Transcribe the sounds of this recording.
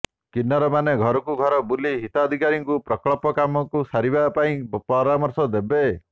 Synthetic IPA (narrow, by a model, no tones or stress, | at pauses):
kinːɔɾɔmaneɡʱɔɾɔkuɡʱɔɾɔbuliɦit̪aɔd̪ʱikaɾiŋkupɾɔklɔpɔkamɔkusaɾibapaĩpɔɾamɔɾsɔd̪ebe